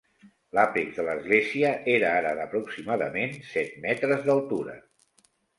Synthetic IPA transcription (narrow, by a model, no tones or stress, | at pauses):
lapikðələzɣleziəʔeɾəaɾəðəpɾuksimaðəmensɛt̪mɛt̪ɾəzðəlˠt̪uɾə̰